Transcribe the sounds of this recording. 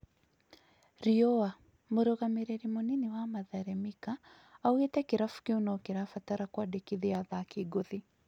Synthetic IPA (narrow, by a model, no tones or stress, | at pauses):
ɾiɔa | moɾɔɣameɾɛɾimoniniwamaðaɾɛmika | auetɛkiɾafu̥kiunakiɾafataɾakwadekiðiaðakiɡoði